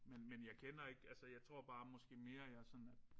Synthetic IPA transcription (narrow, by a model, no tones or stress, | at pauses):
menmenjɑ̈ɪkʰenɐe̝ɡ̥ælsəjɑ̈ɪt͡sʰʁo̝ɐ̰b̥ɑ̈ːmɒ̽sɡ̥e̝̰ːme̝ːɐjasɒ̽næd̥